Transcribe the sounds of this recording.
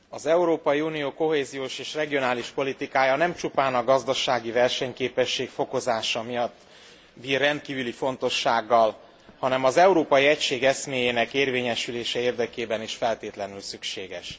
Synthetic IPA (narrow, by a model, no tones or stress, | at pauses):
ɒzɛuɾoːpɒjiunijoːko̞ɦeːzijoːʃeːʃrɛɡijo̞naːliʃpo̞lit̪ikaːjɒnɛmt͡ʃupaːnɒɡɒzd̪ɒʃaːɡivɛrʃɛɲkeːpɛʃːeːkfo̞ko̞zaːʃɒmijɒt̪ː | biːrːɛnt̪̚kiːvylifo̞nt̪o̞ʃːaːɡːɒl | hɒnɛmɒzɛuɾoːpɒjiɛcʃeːɡɛsmeːjeːnɛkeːrveːɲɛʃyleːʃɛeːrd̪ɛkeːbɛniʃfɛlt̪eːt̪lɛnylsykʃeːɡɛʃ